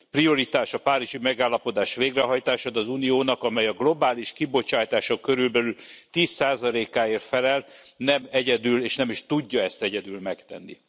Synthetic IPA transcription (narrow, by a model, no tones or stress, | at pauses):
prio̞ɾit̪aːʃɒpaːɾiʒimɛɡaːlːɒpo̞d̪aːʃʋeːɡrɛɦɒjt̪aːʃɒd̪ɒzunijoːnɒkɒmɛjɒɡlo̞baːliʃkibo̞t͡ʃaːjt̪aːʃɒkøɾylbɛlylt̪iːsːaːzɒleːkaːeːrt̪fɛlɛlnɛmɛɟɛd̪yːleːʃnɛmiʃt̪uɟːɒɛst̪ɛɟɛd̪yːlmɛkt̪ɛ̰nːḭ